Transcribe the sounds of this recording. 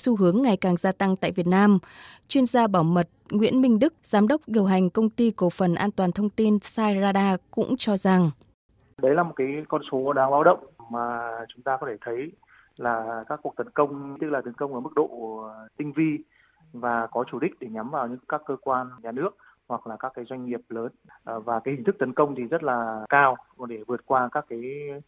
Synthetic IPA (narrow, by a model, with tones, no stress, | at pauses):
su˧ɦɨ˨˦əŋːa˨˩jkaː˨˩ŋzaː˧t̪a˧ŋt̪a̰ː˧˨jvi˨˩ət̚naː˧mt͡ɕwi˧ənzaː˧ɓaː˧˩wmə˨˩t̚ŋwḭ˧˥ənmï˧ŋ̟ɗɨ˦˥k̚z̥aː˨˦mɗə˦˥wk͡p̚ɗi˨˩əwɦa˨˩jŋ̟kə˧wŋ͡mt̪i˧ko˨˧˩fə˨˩nʔaː˧nt̪waː˨˩nt̪ʰə˧wŋ͡mt̪i˧nsaː˧jzaː˧ɗaː˧kʊ̰˧˥ŋ͡mt͡ɕɔ˧za˨˩ŋ | ɗə˨˦jlaː˨˩mo˨˩t̚kaː˨˦jkɔ˧nso˨˦ɗaː˧ŋɓaː˨˦wɗə̰˧˨wŋ͡mmaː˨˩t͡ɕʊ˨˦ŋ͡mt̪aː˧kɔ˨˦t̪ʰe˧˩t̪ʰə˨˦j | laː˨˩kaː˦˥kːu˨˩ək̚t̪ə˨˦nkə˧wŋ͡mt̪ɨ˦˥k̚la˨˩t̪ə˨˦nkə˧wŋ͡mʔəː˧˩mɨ˦˥k̚ɗo̰˧˨t̪ï˧ŋ̟vi˧ | vaː˨˩kɔ˨˦t͡ɕu˧˩ɗï˦˥k̟̚ɗe˧˩ɲa˨˦mvaː˨˩wɲɨ̰˧˥ŋkaː˦˥kːəː˧kwaː˧nɲaː˨˩nɨ˦˥ək̚ | hwa˨˩k̚laː˨˩kaː˦˥kːaː˨˦jzwa˧jŋ̟ŋi˨˩əp̚ləː˨˦nvaː˨˩kaː˨˦jhi˨˩ŋ̟t̪ʰk̚t̪ə˨˦nkə˧wŋ͡mt̪ʰi˨˩zə˦˥t̚laː˨˩kaː˧wɗe˧˩vɨ˨˩ət̚kwaː˧kaː˦˥kːaː˨˦j